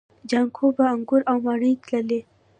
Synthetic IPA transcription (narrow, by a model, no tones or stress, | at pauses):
d͡ʒaŋkʰobaːŋɡʊɾawmaɽəjk̪ləle